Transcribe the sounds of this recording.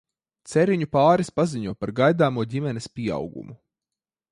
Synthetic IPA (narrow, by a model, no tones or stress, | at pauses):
t̪sɛɾiɲupaːɾispaziɲuɔpaɾɡajd̪aːmuɔɟʲimɛnespʲiɛa̰wɡṵmu